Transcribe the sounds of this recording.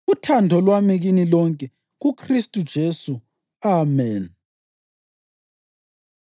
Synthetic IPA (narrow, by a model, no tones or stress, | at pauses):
ɣutʰandʱɔlwamiɣinilɔŋkʼɛ | ɣukʰristʼud̥ʒ̥ʱesu | amɛːn